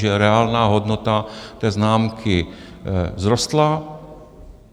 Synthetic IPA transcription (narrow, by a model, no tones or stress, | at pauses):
ɛɾɛaːlnaːɦɔd̪nɔt̪at̪ɛːznaːmkʰi | zɾɔst̪la